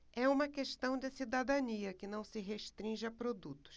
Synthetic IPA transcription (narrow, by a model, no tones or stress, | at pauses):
ɛũmɐkeʃt̪ɐ̃w̃d͡ʒɪsid̪ad̪ɐ̃niɐkɪnɐ̃w̃sɪɦeʃt̪ɾĩʒɪɐpɾod̪ut̪ʊ̥s